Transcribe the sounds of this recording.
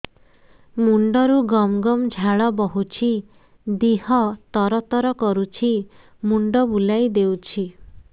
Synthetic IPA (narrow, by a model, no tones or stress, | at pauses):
muɳɖɔɾuɡɔmɡɔmd͡ʒʱaɭɔbɔɦut͡ʃʰi | d̪iɦɔt̪ɔɾɔt̪ɔɾɔkɔɾut͡ʃʰi | muɳɖɔbulajd̪ewt͡ʃʰi